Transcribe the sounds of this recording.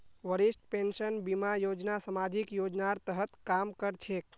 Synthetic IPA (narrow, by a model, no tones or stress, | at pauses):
ʋəɾiʃʈpẽnʃənbimajod͡ʒnasəmad̪ʱikjod͡ʒnaɾt̪əɦət̪kamkəɾt͡ʃʰek